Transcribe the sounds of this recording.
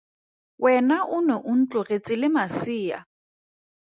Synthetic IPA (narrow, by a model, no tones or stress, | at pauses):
wʔɛnaʔʊnɛʔʊn̩t͡ɬʼʊret͡sʼɪlɪmasiːa̰